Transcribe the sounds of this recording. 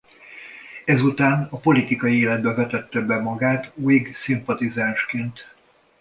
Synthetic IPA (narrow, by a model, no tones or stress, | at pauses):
ɛzut̪aːnɒpo̞lit̪ikɒjieːlɛd̪̚bɛvɛt̪ɛt̪ːɛbɛmɒɡaːt̪uiɡsimpɒt̪izaːnʃkeːnt̪